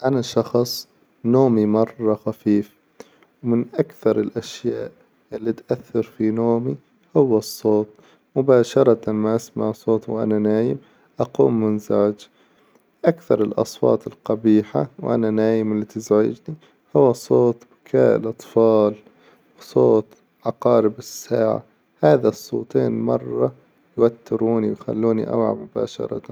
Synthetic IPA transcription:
ʔanaʃɑxsˤ | noːmimɑrˤːɑxafiːf | wmɪnʔakθɑɾˤɪlʔaʃjaːʔ | ʔɪlːit̪ʔaθːɑɾfinoːmi | hʊwːɑsˤːoːt̪̚ˤ | mʊbaːʃɑɾˤɑt̪amaʔasmaʕsˤoːt̪wʔa̰nanaːjɪm | ʔɑqṵːmːɪnzaʕd͡ʒ | ʔakθɑɾˤɪlʔɑ̰sˤwɑ̰ːt̪ˤɪlqɑbiːħawʔa̰nanaːjɪmɪlːit̪ɪzʕɪ̰d͡ʒni | hʊwːasˤoːt̪ˤbɪkʰaːʔlʔɑt̪ˤfɑːl | wsˤoːt̪ | ʕɑqɑːɾɪbɪsːaːʕa̰ | haːðasˤːo̰ːt̪ˤeːnmɑrˤːɑ | jwat̪ːɪɾuːniwjxa̰lːuːnḭʔa̰wʕa̰mʊba̰ːʃɑ̰ɾˤɑ̰t̪an

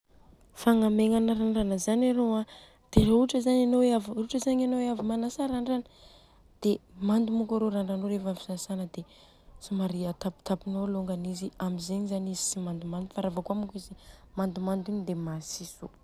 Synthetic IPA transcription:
faŋameŋanaɾaɳɖ͡ʐanəzanaɾoa | d̪̥eɾouʈ͡ʂəzaɲanoaviuʈ͡ʂəzaɲanoavimanasaɾaɳɖ͡ʐanə | d̪̥emand̪umukaɾoɾaɳɖ͡ʐanoɾefafi̥zasanəd̪e | simaɾiat̪api̥t̪apinoloŋɡaniziamizeɲizanizisimand̪umand̪ufaɾavəkuamukʲizimand̪umand̪iɲid̪emasiso

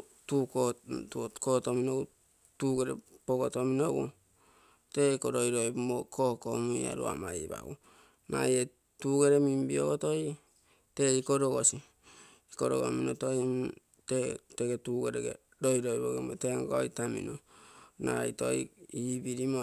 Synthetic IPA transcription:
tukotkotominou | tuɡeɾḛpoɡotominoɡṵ | teikoɾojɾojbmokokomuia̰ɾṵa̰maiba̰ɡṵ | na̰je | tuɡe̞ɾemimbio̰kotoj | teikoɾoɡosiː | koɾo̰ɡo̰minotoi | teteɡetuɡeɾeɡḛ | ɾojɾojboɡemoteŋɡojtamḭnona̰ito̰iibiɾimo

